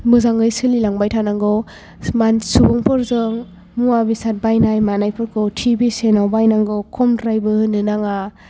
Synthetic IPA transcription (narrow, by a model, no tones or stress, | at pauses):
mɯzaŋɡɯjsɯlilaŋbajtʰanaŋɡɔ | mansubɯŋpʰɔɾzɯŋ | muabisat̚bajnajmanajpʰɯɾkʰɔtʰibisenawbajnaŋɡɔkʰɔmdɾajbɯhɯnɯnaŋa